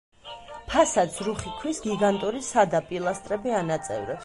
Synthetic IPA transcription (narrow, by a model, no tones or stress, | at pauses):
pʰasat̪sʰɾuχikʰwisɡiɡant̪ʼuɾisad̪apʼilˠast̪ʼɾɛbianat̪sʼɛ̰vɾɛp